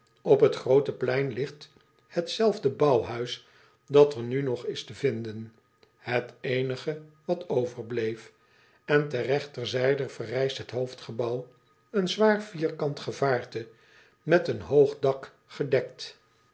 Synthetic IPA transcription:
ɔpɦətχrowtəplɛjnlɪχt | hətsɛlˠvdəbɑwɦœɥs | dɑtəɹnynɔχɪstəvɪndən | hətejnəχəʋɑtʰowvəɹblejf | ɛntərɛχtəɹzɛjdəv̥ərɛjstɦətɦowftχəbɑw | ənzʋaːɹviːɹkɑntχəvaːɹtə | mɛtənɦowχdɑk | χədɛk̚t

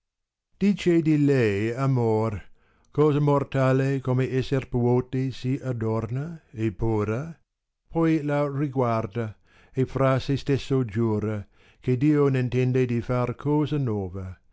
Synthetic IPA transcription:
d̪̥iːt͡ʃed̪ilɛjamor | kɔːzamort̪aːlekomeɛsːerpuoːt̪esiad̪ɔrnaepuːɾa | pʰɔjlariɡward̪a | efɾasest̪esːod͡ʒuːɾa | kʰed̪iːonint̪ɛnd̪ed̪ifarkʰɔːzanɔːvɐ

